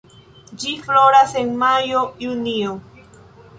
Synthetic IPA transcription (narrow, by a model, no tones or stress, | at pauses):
d͡ʒifloɾaseŋmajojunio